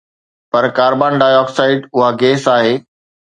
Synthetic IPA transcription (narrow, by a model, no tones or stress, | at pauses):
pɐɾkaːɾbaːnɖaːjɔːksaːɪɖʊɦaɡeːsaːɦeː